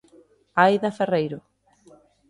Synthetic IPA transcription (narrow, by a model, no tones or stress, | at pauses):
ajðɐferejɾʊ